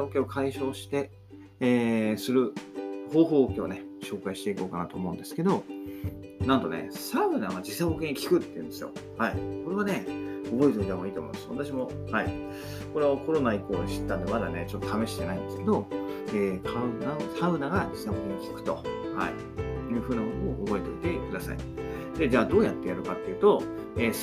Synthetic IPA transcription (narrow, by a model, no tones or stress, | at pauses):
aokeokʰaiɕo̞ːɕi̥t̪e̞ː | sɨɾɯ̟ho̞ːɦo̞ːokeone̞ɕo̞ːkaiɕi̥t̪e̞iko̞ːka̰nat̪o̞̰ːmo̞ɯ̟̃nd̪e̞sɨ̥ke̞d̪o̞ | nãnt̪o̞ne̞̰saɯ̟naɡad͡ʑisaokeɲikʲi̥kɯ̟t̪ːe̞ĩ̟nd̪esɨjo̞̰haiko̞ɾe̞βane̞obo̞it̪oid̪emo̞iːt̪omõ̰nesa̰t̪aɕ̬imo̞ | hai | ko̞ɾe̞oko̞ɾo̞naikːoːɕi̥t̪ːãnd̪emad̪ane̞t͡ɕo̞t̪ːot̪ʰame̞ɕi̥t̪enaind̪e̞sɨke̞d̪o̞eːkʰaɯnasaɯ̟naɡad͡ʑisahokẽɲkʲi̥kɯ̟̥t̪oha̰ḭ | jɯ̟ːɸɯ̟ːnamonomoʔobo̞et̪o̞it̪e̞kɯ̟d̪asa̰ḭ | d̪e̞d͡ʑaːd̪o̞ːjat̪ːe̞jaɾɯ̟kat̪ːe̞jɯ̟ːt̪o̞ | eː